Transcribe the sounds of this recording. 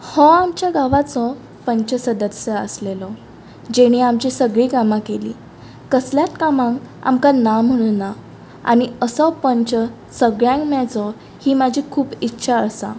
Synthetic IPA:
hɔ̃amt͡ɕjaɡaʋat͡sɔ | pəɲt͡ɕəsəd̪əsjəə̰slelɔ | d͡ʑeɽ̃iamt͡ɕisəɡɭiːɡamãkelḭː | kəsljat̪kamãŋka̰mkanam̤əɽ̃uːnːa | a̰ɽ̃iəsɔpəɲt͡ɕə | səɡɭjãŋkmat͡sɔ | hiːmad͡ʑʱikʰuːpitːɕʰaəsa̰

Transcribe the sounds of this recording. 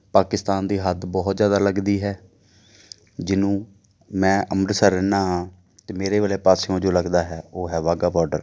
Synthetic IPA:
paːkɪst̪aːnd̪iːɦəd̪bɔːɦt̪zjaːd̪aːləɡd̪iːɦɛː | d͡ʒɪnũː | mɛ̃ːʔəmɾsəɾɪnaːɦãː | t̪eːmeːɾeːʋeːleːpaːsõːd͡ʒoːləɡd̪aːɦɛːoːɦɛːʋaːɡaːbɔːɾɖəɾ

